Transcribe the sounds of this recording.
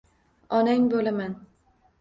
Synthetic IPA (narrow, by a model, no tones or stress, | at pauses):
ɒnaŋʲbolaman